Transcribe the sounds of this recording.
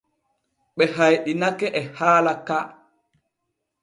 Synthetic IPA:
ɓɛɦajɗinakɛʔɛhaːlaka

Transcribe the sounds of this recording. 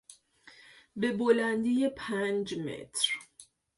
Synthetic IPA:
be̞bolænd̪ijepʰænd͡ʒmḛt̪ʰɾ

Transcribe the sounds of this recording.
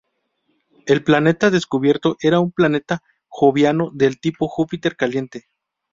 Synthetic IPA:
e̞lplane̞t̪aðe̞skuβje̞ɾt̪o̞ʔe̞ɾaumplane̞t̪a | xo̞βjano̞ðe̞lt̪ipo̞xupit̪e̞ɾkalje̞nt̪e̞

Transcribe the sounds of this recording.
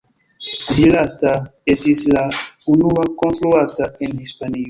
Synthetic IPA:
ʒilastaestislaunuakontɾoataenhispanio

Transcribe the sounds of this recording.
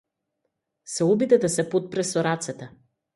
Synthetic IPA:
sɛɔbid̪ɛd̪asɛpot̪̚pɾɛsɔɾat̪sɛt̪ɛ

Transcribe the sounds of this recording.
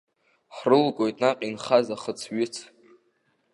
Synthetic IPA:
ħrɨlɡʷʼo̞jtʼnaqʲʼinχazaχət͡sʰɥɪt͡sʰ

